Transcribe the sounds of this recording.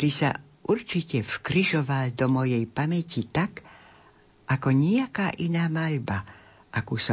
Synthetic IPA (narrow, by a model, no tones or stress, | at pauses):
ɾisa̰ | ʔuɾt͡ʃicɛfkɾiʒɔʋald̪ɔmɔjɛjpamɛcit̪ak | ʔakɔɲiakaːʔinaːmaʎba | ʔakuːsɔ